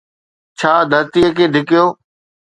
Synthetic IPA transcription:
t͡ʃʰaːd̪ʱəɾt̪ijəkeːɖ̪ʱɪkɪjoː

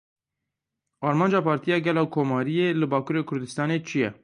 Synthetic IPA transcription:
ɑːɾmɑːnd͡ʒɑːpʰɑːɾt̪ijɑːɡɛlɑːkʰoːmɑːɾijeːlɨbɑːkuːɾeːkʰʊɾd̪ɨst̪ɑːneːt͡ʃʰijɛ

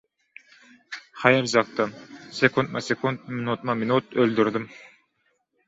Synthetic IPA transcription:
χɑjɪɾzɑk̚t̪ɑnsekʰunt̪̚mɑsekʰunt̪̚mɪnut̪mɑmɪnʊt̪øld̪yɾd̪ɪm

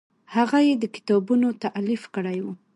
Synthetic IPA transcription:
haɣajed̪əkɪ̥t̪ɑbunot̪aʔlifkəɽajwu

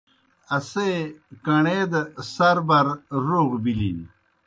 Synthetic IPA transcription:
ɐsekɐɳeːd̪ɐsɐɾbɐɾɾoːɡbilḭn

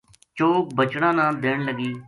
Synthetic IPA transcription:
t͡ʃoːk̚bət͡ʃɽãːnãːd̪eːɳləɡiː

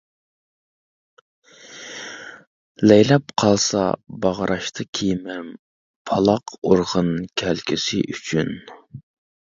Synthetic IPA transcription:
lɛjlɛpqʰɑlˠsɑ̰bɑʁɾʔɑʃt̪ʰɨkʲʰejmɛm | pʰɑlˠɑqoɾʁənkʲʰælkʲʰɪsɪʔyt͡ʃʰyn

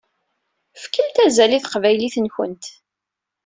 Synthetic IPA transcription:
fkəlt̪æzæliθəqvæjliθənçə̰nt̪

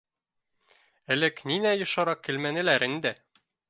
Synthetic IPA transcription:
ɘ̆lɘkninæjɤ̆ʃɑɾɑkilmænɘ̆læɾɘnd̪ɘ

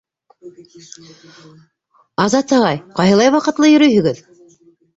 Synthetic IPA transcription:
ɑzɑt̪ɤ̆ʁɑjqɑjɦɤlˠɑjwɑqɤ̆t̪lˠɤjɵ̆ɾɵjhɵ̆ɡɘð

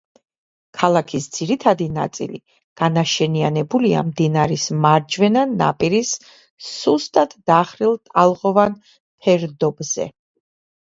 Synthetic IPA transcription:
kʰalˠakʰisd̪z̥iɾit̪ʰad̪ina̰t̪sʼḭli | ɡ̥anaʃɛnianɛbulia̰md̪inaɾismaɾd͡ʒvɛnanːa̰pʼiɾisː | ust̪ʼat̪ʰd̪̥aχɾilˠt̪ʼalˠʁɔvan | pʰɛɾd̪ɔbz̥ɛ̰

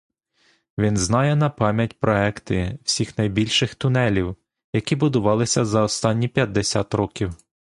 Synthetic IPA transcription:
ʋʲinznɑjɛnɐpɑmʲjɐtʲpɾɔɛkt̪ɪw̥sʲixnɐjbʲilʲʃɪxt̪ʊnɛlʲiw | jɐkʲibʊd̪ʊʋɑlˠɪsʲɐzɐɔst̪ɑnʲːipʲjɐd̚d̪ːesʲɑt̪ɾɔkʲiw

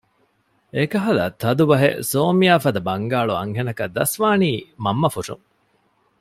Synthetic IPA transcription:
ekɐɦɐlɐ̰t̪ːɐd̪ubɐɦḛsoːmijaːfɐd̪ɐbɐŋɡaːɭuɐ̰ŋɦenɐkɐd̪ːɐsʋaːniːmɐmːɐfuʂṵŋ

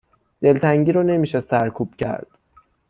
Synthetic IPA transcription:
d̪̥e̞lt̪ʰæŋɟiːɾɒne̞miːʃesæɾkʰuːb̥cʰæ̰ɾd̪̥

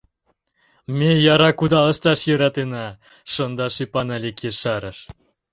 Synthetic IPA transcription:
mʲejɑɾɑkud̪ɑlə̆ʃt̪ɑʃjøɾɑt̪enɑ | ʃɤnd̪ɑʃipɑnɑlʲekeʃɑɾəʃ

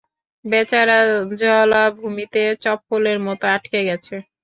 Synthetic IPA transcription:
bɛt͡ɕaɾad͡ʑɔlabʱumit̪et͡ɕɔpːoleɾmɔt̪oaʈkeɡɛt͡ɕʰe

